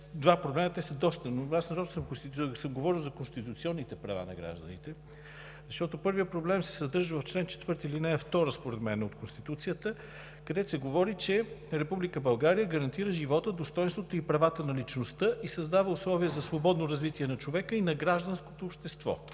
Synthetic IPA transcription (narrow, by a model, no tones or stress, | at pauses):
d̪vapɾoblɛnət̪ɛsəd̪ɔst̪ənoasnɐɾɔt̪səmkonst̪isəmɡovɔɾilˠzɐkonst̪it̪ut̪siɔnːit̪ɛpɾɐva̰nɐ̰ɡɾa̰ʒd̪ə̰nit̪ɛ | zɐʃt̪ɔt̪opɤɾvijəpɾoblɛmsɛ̥sɐd̪ɤɾʒəvɐft͡ʃlɛnt͡ʃɛ̥t̪vəɾt̪ilinɛɛft̪ɔɾəspoɾɛd̪mɛnɛot̪konst̪it̪ut̪sijət̪ə | kɐd̪ɛt̪osɛɡovɔɾit͡ʃɛɾɛpublikəbɐlˠɡaɾijəɡɐɾɐnt̪iɾəʒivɔt̪əd̪ost̪ɔjnst̪vot̪oipɾɐvat̪ənɐlit͡ʃnost̪əʔisɐzd̪avəʊslˠɔviəzɐsvobɔd̪noɾɐzvit̪iɛnɐt͡ʃovɛkəinɐɡɾaʒd̪ənsko̥t̪oːpʃt̪ɛst̪vɔ̰